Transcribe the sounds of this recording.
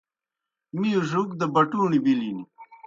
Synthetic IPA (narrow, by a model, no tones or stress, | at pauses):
mijuʐuk̚d̪əbɐʈuːɳibilini